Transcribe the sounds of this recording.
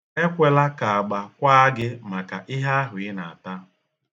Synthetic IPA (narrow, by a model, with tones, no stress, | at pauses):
e˦kʷe˦la˦ka˨a˨ɡ͡ba˨kʷa˦ɡɪ˦ma˨ka̰˨ʔɪ˦ɦa˦ɦʊ˨ɪ˦na˨a˨ta˦